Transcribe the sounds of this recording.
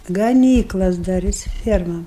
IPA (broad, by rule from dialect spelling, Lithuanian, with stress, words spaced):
ɡɐˈnʲiːklˠɐs dɐˈrʲɪs ˈfʲiɛrmɐm